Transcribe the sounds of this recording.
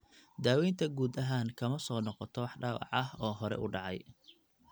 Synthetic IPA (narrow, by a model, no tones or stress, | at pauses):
d̪aːwɛjnt̪ʰɐɡuːd̪ɐɦaːŋkʰɐmɐsɔːnɔqɔt̪ʰɔwɑħɖɑːwɑ̰ʕɐɦɔːɦɔɾɛ̰ʔʊ̰ɖɑʕɑj